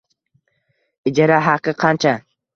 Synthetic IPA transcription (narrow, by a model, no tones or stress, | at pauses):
ɪd͡ʒaɾaɦɑqʰɨqʰɑnt͡ʃʰa